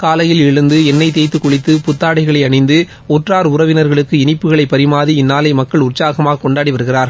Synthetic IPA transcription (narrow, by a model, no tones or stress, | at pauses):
kaːlɐjɪlɪɻɯnd̪ɯɛnːɐɪt̪̬eːt̪ːɯkːɔɭɪt̪ːɯpʊt̪ːaːɽɐɪɣɐɭɐɪɐɳɪnd̪ɯ | ɔʈraːɾʊɾɐʋɪnɐɾɣɐɭɯkːɯɪnɪpːɯɣɐɭɐɪpːɐɾɪmaːðiɪnːaːlɐɪmɐkːɐɭʊrt͡ʃaːɣɐmaːɣɐkɔɳɖaːɽiʋɐɾɯɣɪraːɾ